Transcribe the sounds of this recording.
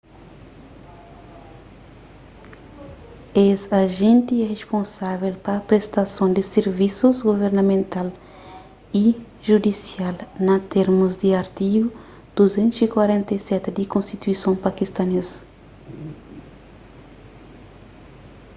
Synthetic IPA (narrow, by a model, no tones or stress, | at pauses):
ezaʒẽnt̪iɛʁespõnsavelpɐpɾest̪asõnd̪ɪseɾvisuzɡoveɾnɐmẽnt̪al | i | ʒud̪isjalnɐt̪eɾmuzd̪ɪaɾt̪iɡʊ | d̪̥uzẽnt̪usikwaɾẽnt̪ɐjsɛt̪ɪd̪ikõnst̪it̪uisõpakist̪ɐnezɐ